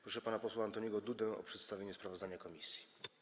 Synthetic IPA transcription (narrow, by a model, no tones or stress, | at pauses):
pɾɔʂɛpanapɔswaːnt̪ɔɲiɡɔd̪ud̪ɛɔ̰pʂɛt̪st̪avʲeɲɛspɾavɔzd̪aɲakɔmʲisʲji̥